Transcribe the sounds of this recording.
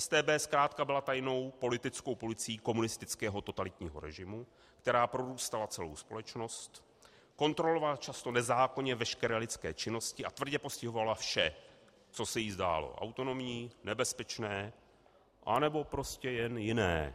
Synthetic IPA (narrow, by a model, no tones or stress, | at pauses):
ʔɛst̪ɛːbɛːskɾaːt̪kabɪlat̪ajno̞wpo̞lɪt̪ɪt͡sko̞wpozɪt͡sɪiːko̞munɪst̪ɪt͡skɛːɦo̞t̪o̞t̪alɪt̪ɲiːɦo̞̰ɾɛ̰ʒɪmu | kt̪ɛɾaːpɾo̞ɾuːst̪alat͡sɛlo̞̰wspo̞lɛt͡ʃno̞st̪ | ko̞nt̪ɾo̞lo̞valat͡ʃast̪o̞nɛzaːkoɲɛvɛʃkɛɾɛːlɪt͡skɛ̰ːt͡ʃɪno̞scɪʔat̪vr̩ɟɛpo̞scɪɦo̞valafʃɛ | t͡so̞sɛjiːzda̰ːlo̰ʔa̰wt̪o̞no̞mɲiːnɛbɛspɛt͡ʃnɛː | ʔa̰nɛbo̞pɾo̞scɛjɛnjɪnɛ̰ː